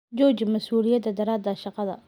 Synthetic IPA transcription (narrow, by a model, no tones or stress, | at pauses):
d͡ʒɔːt͡ʃmɐsuːlɪjɐd̪ɐd̪ɐɾaːd̪ɐʃɑqɑðɐ̰